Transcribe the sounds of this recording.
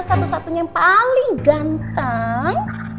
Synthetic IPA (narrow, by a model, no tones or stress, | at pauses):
sat̪usat̪uɲajaŋpalɪŋɡant̪aŋ